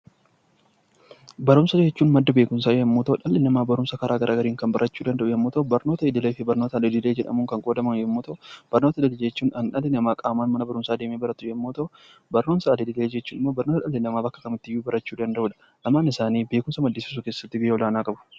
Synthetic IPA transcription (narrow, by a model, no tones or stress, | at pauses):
bɐɾʊmsɐd͡ʒɛt͡ʃːuːnmɐd̪ːɐbe̞ːkʊmsaːd͡ʒɛmːoːt̪ɐᶑɐlːɪnɐmaːbɐɾʊmsɐkɐɾʔaːɡɐɾʔaːɡɐɾiːŋkɐnbɐɾʔɐt͡ʃːuːd̪ɐnd̪ɐʔʊjɛmːot̪ɐʊbɐɾno̞ːt̪ɐɪd̪ɪlɐfɪbɐɾnoːt̪ɐd̪ɪd̪ɪle̞ːd͡ʒɛᶑɐ̰mʊŋkɐŋkʼoːd̪ɐmɐnjɛmːoːt̪ɐʔʊb̥ɐɾnoːt̪ɐd̪ɐd̪ɪld͡ʒɛt͡ʃːuːnɐnᶑɐlɪnɐmaːkʼaːmaːnmɐnɐbɐɾʊmsaːd̪eːmeːbɐɾɐt̪ːʊjɛmːoːt̪ɐ | bɐɾnoːmsaːd̪ɪd̪ɪle̞ːd͡ʒɛt͡ʃːuːnɪmːo̞ːbɐɾnoːt̪ɐᶑɐlːɪlɐmaːbɐkːɐ̥kɐmɪt̪ːɪjːuːbɐɾɐt͡ʃːuːd̪ɐnd̪ɐʔuːᶑɐ̥ | ʔɐmːaːnɪsaːniːbeːkʊmsɐmɐd̪ːɪsɪs̬ʊkeːsːɐ̥t̪ːɪbɪjɔlaːnaːkʼɐbʊ̥